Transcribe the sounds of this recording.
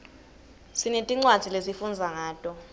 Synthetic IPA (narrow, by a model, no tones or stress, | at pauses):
sinetʼiŋ͡ǀwad̥z̥ʱilesifund͡zʱaŋaːtʼɔ